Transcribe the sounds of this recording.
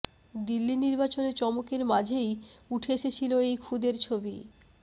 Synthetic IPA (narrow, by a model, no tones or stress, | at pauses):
d̪ilːiniɾbat͡ɕonet͡ɕɔmokeɾmad͡ʑʱejuʈʰeʃet͡ɕʰiloejkʰud̪eɾt͡ɕʰobi